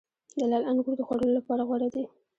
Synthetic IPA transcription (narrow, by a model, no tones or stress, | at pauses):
d͡ʒalɑlanɡuɽd̪əxwaɽəlolapɑɾaɣwaɽad̪i